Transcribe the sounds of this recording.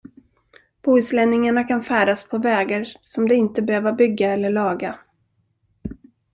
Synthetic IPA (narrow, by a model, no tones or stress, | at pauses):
b̥uːɪslɛnːɪŋaɳakʰanfæːɖaspʰɔvɛːɡaɾsɔmd̪ɛɪnt̪əbɛhøːvabʏɡːaɛlːəɭɑːɡa